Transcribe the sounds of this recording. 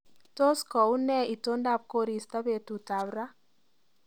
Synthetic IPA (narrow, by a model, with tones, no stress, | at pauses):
to˦skɔ˨u˦nɛ˦i˨to˦nda˦˨p̚ko˦ɾi˨sta˦βe˨tu˨ta˨βɾa˦